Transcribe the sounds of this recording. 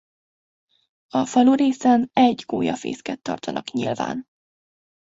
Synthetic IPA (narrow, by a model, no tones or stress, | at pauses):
ɒfɒluɾeːsɛnɛɟɡoːjɒfḛːskɛt̪ːɒ̰rt̪ɒnʔɒkɲilva̰ːn